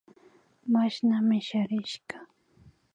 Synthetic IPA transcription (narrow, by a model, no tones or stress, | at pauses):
maʃnamɪʃaɾɪʃɢɑ̥